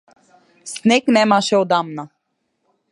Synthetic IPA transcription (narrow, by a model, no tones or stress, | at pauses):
snɛknɛmaʃɛod̪amna